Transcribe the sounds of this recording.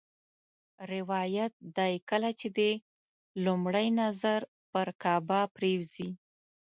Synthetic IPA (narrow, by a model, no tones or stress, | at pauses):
ɾɪwɑjat̪̚d̪ajkəlat͡ʃed̪e | lumɽəjnazaɾ | pəɾkɑbapɾewzi